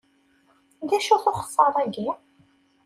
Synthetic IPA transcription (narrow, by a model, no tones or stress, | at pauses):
ðæʃuθoχə̥sˤːɑɾˤæɡi